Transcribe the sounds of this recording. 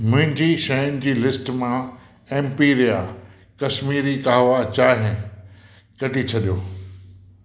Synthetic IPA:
mʊ̃ɦɪ̃ɲd͡ʑiʃɐjʊnɪ̆d͡ʑiːlɪsʈmã | ẽːmpiːɾija | kɐʃmiːɾikaːɦʋat͡ɕaːɦɪ̃ | kɐɖʱit͡ɕʰɐɗijoː

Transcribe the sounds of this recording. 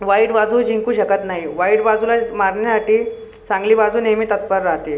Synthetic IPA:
ʋaiɽbad͡zuːd͡ʑiŋkuːɕəkət̪naɦiʋaiɽbad͡zulamaɾɳjasaʈiː | t͡sãŋɡliːbad͡zuːnemit̪ət̪̚pəɾɾaɦt̪e

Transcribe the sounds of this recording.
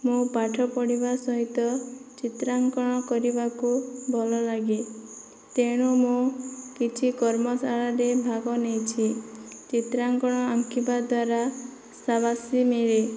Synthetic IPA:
mũpaʈʰɔpɔɽibasɔɦit̪ɔt͡ʃit̪ɾaŋkɔɽ̃ɔkɔɾibakubʱɔlɔlaɡi | t̪eɽ̃omũkit͡ʃʰikɔɾmɔsaɭaɾebʱaɡɔnejt͡ʃʰit͡ʃit̪ɾaŋkɔɽ̃ɔaŋkʰibad̪waɾa | saβasimeɾe

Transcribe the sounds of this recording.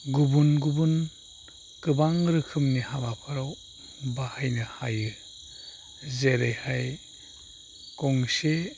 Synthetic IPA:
ɡubunɡubun | kɯbaŋɾɯkʰɯmnihabapʰaɾaw | bahajnɯhajɯ | zeɾejhaj | kɔŋse

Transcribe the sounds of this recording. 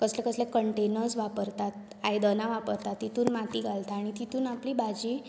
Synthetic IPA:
kəslɛkəslɛkəɳʈenəɾsʋapəɾt̪at̪̚ | ajd̪ənaʋapəɾt̪at̪ːit̪uːnmat̪iːɡalt̪aaːɽ̃it̪it̪uːnapliːbad͡ʑiː

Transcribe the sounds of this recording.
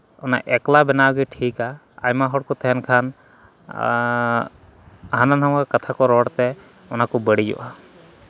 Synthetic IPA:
ɔna̰ʔɛklabɛnaɡiʈʰika̰ː | jmaɦɔɽ̚kɔt̪ʰɛɛnkʰan | ɦananɦamkakat̪ʰakɔɾɔɽt̪ɛ | ɔnakɔbəɽid͡ʒɔ̰ʔa

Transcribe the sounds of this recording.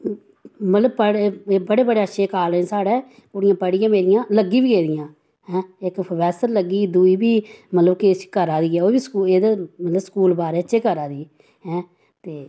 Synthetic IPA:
mət̪ləb̚pəɽbəɽeːbəɽeːəʃʰeːkaːlesaːɽeː | kʊɽɪjãːpəɽɪjãːmeːɾɪjãːləɡiːbiːɡeːd̪ɪjãː | ɦɛ̃ːɪkʋɛːsəɾləɡiːd̪uːiːbiːmət̪ləbkɪt͡ʃːkəɾaːd̪iːɛːoːbiːskuːeːd̪eːmət̪ləbskuːlbaːɾeːətt͡ʃʃʰeːkəɾaːd̪iː | ɦɛ̃ː | t̪eː

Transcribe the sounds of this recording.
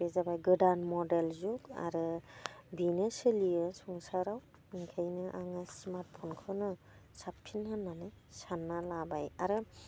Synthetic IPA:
bezabajɡɯdanmɔdelzuka̰ɾɯbinɯsɯliɯsɔŋsaɾaw | iŋkʰajnɯʔaŋasmaɾt̚pʰɔnkʰɯnɯ | sapʰːinhanːanaj | sanːalabajaɾɯ

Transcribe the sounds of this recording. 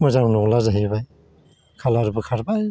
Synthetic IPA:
mɔzaŋnɔŋlazaɦibaj | kʰalaɾbɯkʰaɾbaj

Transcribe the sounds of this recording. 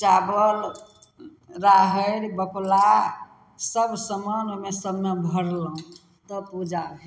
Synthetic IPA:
t͡ʃabəl | ɾaɦəɾbəkla | səbʱsəmənmesəbnebʱəɽlɦũ | t̪ɔpud͡ʒabɛ

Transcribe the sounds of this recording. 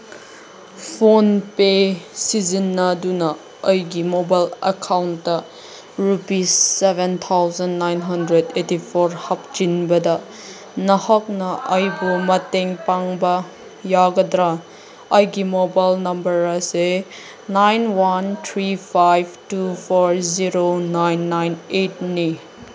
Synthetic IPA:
pʰonpesizinːɐdunɐː | jɡimobajlɐ̰kʰawnɐ | ɾupisebent̪ʰawzɐnːajnɦɐndɾedetipʰoɾhap̚d͡ʒinbɐdɐ | nɐhɐk̚nɐʔɐjbumɐteŋpaŋbɐ | jaɡɐdɾa | ɐjɡimobajlnɐmbɐɾɐse | najnwant̪ʰɾipʰajbtupʰoɾziɾonajnːajnet̚ni

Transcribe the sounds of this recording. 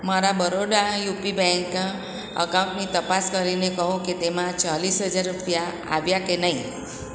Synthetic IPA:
maɾabəɾoɽajupibɛ̃ŋk | ə̰kãw̃ʈnit̪əpaskəɾinekəɦũket̪emãt͡ʃalisɦəd͡ʒaɾɾupja | a̰ʋjakenaɦĩ

